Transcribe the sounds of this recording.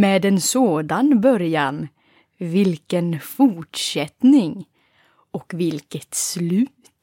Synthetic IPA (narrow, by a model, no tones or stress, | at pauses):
meːd̪ɛnsoːd̪anbœɾjan | vɪlkənfʊʈʂɛt̪nɪŋ | ɔkvɪlkət̪slʉ̟ːt̪